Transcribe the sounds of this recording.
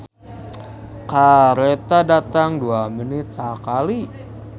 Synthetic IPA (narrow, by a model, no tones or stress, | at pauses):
kaɾet̪adat̪aŋduamənɪt̪̚sakali